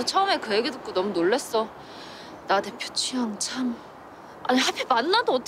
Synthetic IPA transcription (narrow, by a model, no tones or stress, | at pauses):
ot͡ɕʰʌɯme̞kɯeɡedɯk̚k͈onʌmunoɭːe̞s͈ʌ | nade̞pʰjo̥t͡ɕʰiʌŋt͡ɕʰam | a̰ɲihapʰimanːadoʌt͈